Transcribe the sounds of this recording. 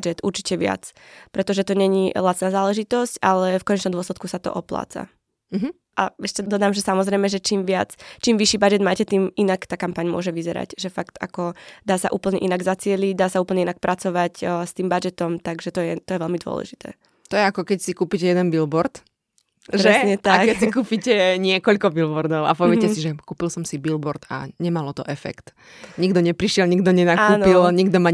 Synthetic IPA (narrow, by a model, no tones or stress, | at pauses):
d͡ʒɛt̪uɾt͡ʃi̥cɛʋɪa̰t͡spɾɛt̪ɔʒɛt̪ɔɲɛɲilat͡snaːzaːlɛʒit̪ɔscalɛfkɔɲɛt͡ʃnɔmd̪ʊɔslɛt̪̚kusat̪ɔ̰ʔɔpla̰ːt͡sa̰ | ɦ̩ | ʔaɛʃcɛd̪ɔd̪aːmʒɛsamɔzɾɛɪmɛʒɛt͡ʃiːmʋɪat͡st͡ʃiːmʋiʃiːbad͡ʒɛd̪maːcɛt̪iːminakt̪aːkampaɲmʊɔ̰ʒɛʋizɛɾa̰cʒɛfakt̪a̰kɔd̪aːsa̰ʔuːpl̩ɲɛʔinaɡzat͡sɪɛliɟd̪aːsauːpl̩ɲɛinak̚pɾʔat͡sɔʋacst̪iːmbad͡ʒɛt̪ɔmt̪aɡʒɛt̪ɔjɛt̪ɔjɛʋɛlmid̪ʊɔ̰lɛ̰ʒit̪ʰɛ̰ː | t̪ɔjɛakɔkɛcsikuːpicɛjɛd̪ɛnbilbɔɾt̪ | ʒɾɛsɲɛt̪akkɛcsikuːpicɛɲɪɛkɔʎkɔbilbɔɾd̪ɔʊa̰pɔʋɪɛcɛsiʒɛkuːpilsɔmsibilbɔɾt̪a̰ɲɛmalɔt̪ɔʔɛfɛ̰kt̪ | ɲiɡd̪ɔɲɛpɾiʃɪɛlɲiɡd̪ɔɲɛnaakːuːnilɲiɡd̪ɔma